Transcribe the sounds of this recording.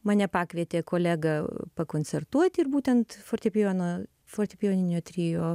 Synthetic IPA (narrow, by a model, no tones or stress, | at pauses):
mɑːnʲɛpɑːkʋʲiːt̪ʲeːkoːlʲæːɡɐpɐkoːnʲt͡s̪ʲɛrt̪uɔt̪ʲɪrbuːt̪ʲɛnt̪foːrʲt̪ʲepʲɪjoːnoː | foːrʲt̪ʲepʲɪjoːnʲɪnʲoːt̪ʲɾʲiːjoː